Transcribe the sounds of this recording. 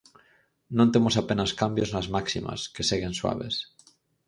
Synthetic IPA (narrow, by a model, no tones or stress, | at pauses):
nõnt̪emosapenaskambjoznazmaksima̰skeseɣenswa̰β̞ḛs